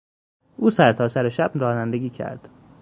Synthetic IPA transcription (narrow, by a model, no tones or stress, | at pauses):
ʔuːsæɾt̪ʰɒːsæɾeʃæbɾɒːnænd̪eɡʲiːcʰæ̰ɾd̪̥